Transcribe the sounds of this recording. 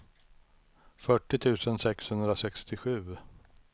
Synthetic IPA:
fœʈːɪt̪ʰʉ̟ːsənsɛkshɵnd̪ɾasɛkst̪ɪɧʉ̟ː

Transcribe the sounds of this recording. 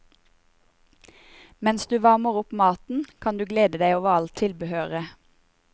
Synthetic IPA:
mɛnsd̪ʉːʋɑməʁʊpmɑːt̪n̩kʰɑnd̪ʉːɡleːd̪əd̪æɪoːʋəʁɑlt̪ʰɪlbəhøːʁə

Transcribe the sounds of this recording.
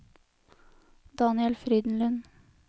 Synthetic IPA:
d̪̥ɑːnɪɛlfɾiːd̪n̩lʉn

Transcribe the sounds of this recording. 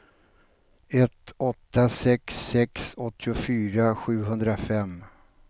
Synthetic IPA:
ɛt̪ɔt̪ːasɛksːɛksɔt̪ʰːɪʊfyːɾaɧʉ̟ːɦɵnd̪ɾafɛm

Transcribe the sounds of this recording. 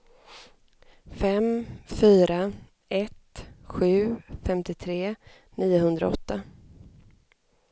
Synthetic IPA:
fɛmfyːɾa | ɛt̪ɧʉ̟ːfɛmt̪ɪt̪ʰɾeː | niːʊɦɵnd̪ɾa̰ɔt̪ːa

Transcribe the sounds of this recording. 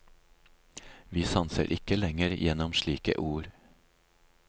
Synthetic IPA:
ʋiːsɑnsə̰ɾʔɪkəlɛŋəɾjɛnɔmʃɭiːkə̰ʔuːɾ

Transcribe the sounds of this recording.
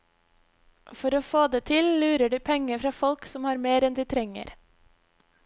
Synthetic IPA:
fɔɾoːfoːd̪eːt̪ʰɪllʉːɾəɖʉːpʰɛŋəfɾɑːfɔlksɔmhɑːɾmeːɾɛnd̪iːt̪ʰɾɛŋə̰ɾ

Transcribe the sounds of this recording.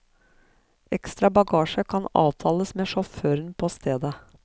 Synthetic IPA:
ʔɛkst̪ɾɑbɑɡɑːʃəkʰɑnɑ̰ːʋt̪ʰɑːləsmeːʂɔføːɾənpʰoːst̪ʰeːd̪ə

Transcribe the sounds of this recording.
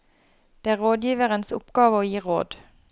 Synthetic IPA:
d̪̥eːæːʁoːd̪jiːʋəʁənsʊ̰pɡ̥ɑːʋəoːjiːʁo̰ːd̪

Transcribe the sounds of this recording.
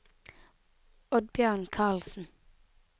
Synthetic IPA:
ɔd̪̚bjøːnkʰɑːlsn̩

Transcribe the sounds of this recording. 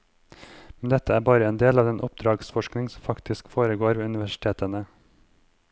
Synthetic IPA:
mɛnd̪ɛt̪əæːɾbɑːɾəeːnd̪eːlɑːʋɛːnʔɔp̚d̪ɾɑːɡsfɔʃknɪŋsɔmfɑkt̪ɪskfoːɾəɡoːɾʋeːʉnɪʋæʃɪ̥t̪ʰeːt̪ənə

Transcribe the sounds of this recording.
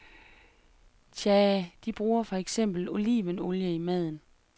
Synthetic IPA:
ɕʰɛd̥ib̥ʁuːɐfɒ̽eɡ̥sem̰b̥l̩o̝liːʋəno̝ljəimæð̞̰ˠn̩

